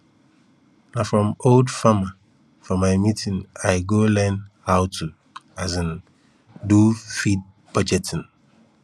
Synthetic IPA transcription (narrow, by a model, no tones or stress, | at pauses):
nãfɹɔ̃moldfama | fɔmãɪmitʰĩnaɪɡolɛ̃nhawtʰu | azɛ̃n | dufid̚ | b̥ʌd͡ʒɛtʰɪ̃n